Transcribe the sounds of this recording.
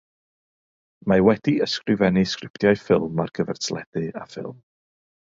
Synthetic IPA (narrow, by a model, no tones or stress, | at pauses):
mawɛdiəskrɪvɛnɨskrɪpʰtjajfɪlˠma̰rɡʰəvɛrtʰlˠɛd̥ɨafɪ̰lˠm